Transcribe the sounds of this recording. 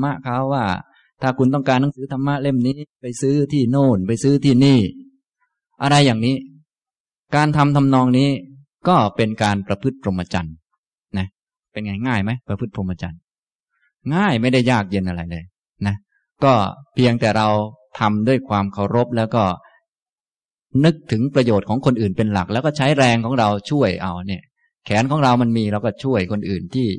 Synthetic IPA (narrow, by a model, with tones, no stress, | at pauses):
ma˦˥ʔkʰa˦˥wːaː˥˩ | t̪ʰaː˥˩kʰu˧nt̪ɔ˥˩ŋkaː˧nːa˦˥ŋsɯː˨˦˥t̪ʰa˧mːa˦˥ʔle˥˩mniː˦˥pa˧jsɯː˦˥t̪ʰiː˥˩noː˥˩npa˧jsɯː˦˥t̪ʰiː˥˩niː˥˩ | ʔa˧ɾa˧jːaː˨˩ŋniː˦˥ | kaː˧nt̪ʰa˧mt̪ʰa˧mnɔː˧ŋniː˦˥ | kɔː˥˩pe˧nkaː˧npɾa˧pʰɯ˥˩t̪̚pʰɾo˧mʔa˧t͡ɕa̰˧n | na˦˥ | pe˧nŋa˧jŋaː˥˩jma˦˥jpɾa˧pʰɯ˥˩t̪̚pʰɾo˧ma˧t͡ɕa̰˧n | ŋaː˥˩jma˥˩jda˥˩jːaː˥˩k̚je˧nʔa˧ɾa˧jlɤː˧j | na˦˥ | kɔː˥˩pʰi˧əŋt̪ɛː˨˩ɾa˧wt̪ʰa˧mdu˥˩əjkʰwaː˧mkʰa˨˩wɾo˦˥p̚lɛː˦˥wkɔː˥˩ | nɯ˦˥k̚t̪ʰɯ˩˦ŋpɾa˧joː˨˩t̪̚kʰɔː˩˦ŋkʰo˧nʔɯː˨˩npe˧nla˨˩k̚lɛː˦˥kɔː˥˩t͡ɕʰa˦˥jɾɛː˧ŋkʰɔː˩˦ŋɾa˧wt͡ɕʰu˥˩əjʔa˧wni˥˩ə | kʰɛː˩˦nkʰɔː˩˦ŋɾa˧wma˧nmiː˧ɾa˧˩wkɔː˥˩t͡ɕʰu˥˩əjkʰo˧nʔɯː˨˩nt̪ʰiː˥˩